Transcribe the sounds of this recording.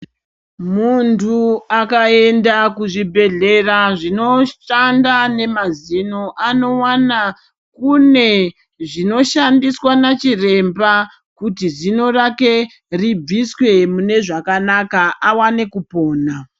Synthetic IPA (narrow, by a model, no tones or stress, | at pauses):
muntʰuakae̞ndakuʐibʱe̞ɮe̞raʐino̞ʃandane̞mazinoʔano̞wana | kune̞ | ʐino̞ʃandiswanat͡ʃire̞mba | kutizino̞rake̞ | rib͡viswe̞mune̞ʐakanakaʔawane̞kupo̞ːna